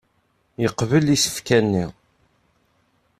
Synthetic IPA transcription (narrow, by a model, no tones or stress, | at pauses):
jəqvəlisə̥fkænːiʁ